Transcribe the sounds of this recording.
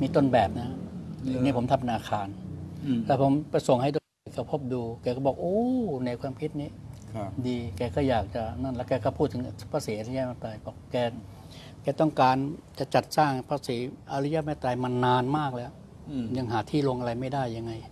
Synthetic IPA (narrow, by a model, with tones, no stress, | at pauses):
miː˧t̪o˥˩nbɛː˨˩p̚na˦˥a˧ŋnːiː˦˥˩pʰo˩˦mt̪ʰpːʔa˧naː˧kʰaː˧nlɛː˦˥˩pʰo˩˦mpa˧jso˨˩ŋha˥˩jt̪o˧˩˧kʰɔ˧˥˩pʰo˦˥˩p̚duː˧kɛː˧kʰɔː˥˩bɔː˨˩k̚ʔoː˧˥na˧jkʰwaː˧mkʰi˦˥t̪̚niː˦˥˩ | diː˧kɛː˧kɔː˥˩jaː˨˩k̚t͡ɕa˨˩na˥˩nlɛː˦˧˥kɛː˧kʰɔː˥˩pʰuː˥˩t̪ʰːɯ˩˦pʰaː˧siː˩˦a˧ɾi˦˥jaː˦˥˩ma˥˩t̪aː˧jpʰɔː˧˩kɛː˧˩ | kɛː˧t̪ɔ˥˩ŋkaː˧nka˧˩t͡ɕa˨˩t̪̚saː˥˩ŋpʰaː˧siː˩˦ʔa˧ɾi˦˥ja˦˧˥maː˧˥˩t̪aː˧jma˧nːaː˧nmaː˥˩k̚lɛː˦˥w | ɲa˧ŋɦaː˩˦t̪ʰiː˥˩lo˧ŋʔa˧ɾa˧jma˥˩jdaː˥˩jːa˧ŋːa˧j